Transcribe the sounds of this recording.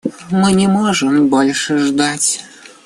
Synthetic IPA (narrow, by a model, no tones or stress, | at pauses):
mɨnʲɛmɔʐɨmbɔlʲʂɛʐd̪at͡sʲ